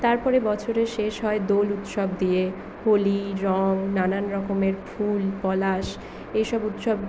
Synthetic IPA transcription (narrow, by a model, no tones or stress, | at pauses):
t̪aɾpɔɾebɔt͡ɕʰoɾeʃeʃɦɔed̪olut̪ʃɔb̚d̪ije | holiɾɔŋnananɾɔkomeɾfʰulpɔlaʃ | ejʃɔbut̪ʃɔb